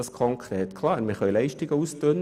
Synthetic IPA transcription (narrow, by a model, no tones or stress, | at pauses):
ɑskʰɔŋkʰrɛːt̪kʰlɑːɾmɪχœjlɛɪʃtɪɡ̥əuːst̪øn